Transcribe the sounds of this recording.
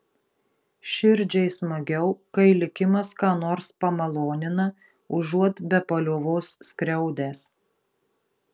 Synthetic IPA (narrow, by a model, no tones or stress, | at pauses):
ʃʲɪɾʲd͡ʒʲɛɪsmɐɡʲɛʊkɐɪlʲɪkʲɪmɐskɑːnoːɾspɐmɐlˠoːnʲɪnɐ | ʊʒuɔt̪bʲɛpɐlʲoʋoːsːkɾʲɛʊd̪ʲæːs